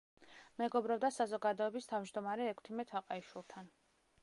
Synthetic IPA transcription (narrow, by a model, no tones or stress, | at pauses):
mɛɡɔbɾɔb̚d̪asazɔɡad̪ɔɛbist̪ʰavmd͡ʒd̪ɔmaɾɛːkʰt̪ʰimɛt̪ʰaqʼaiʃwilˠt̪ʰan